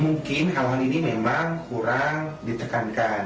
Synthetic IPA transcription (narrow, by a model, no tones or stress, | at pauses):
muŋkɪnɦawaninimemaŋkuɾaŋdit̪əkankan